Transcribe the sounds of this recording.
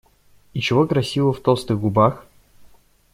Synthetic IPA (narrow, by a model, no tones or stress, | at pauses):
it͡ɕɪvokɾɐsʲivəft̪olˠst̪ɨxɡʊbax